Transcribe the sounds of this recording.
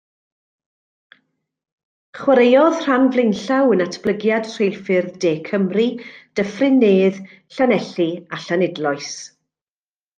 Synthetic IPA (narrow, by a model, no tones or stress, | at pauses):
χwəɾejɔð̥r̥anvlˠɪnɬawənatʰb̥lˠəɡjad̥r̥ejlˠfɨrdeːkʰəmrid̥əfrɪnːeːð | ɬanɛɬiaɬanɪdlˠɔɨs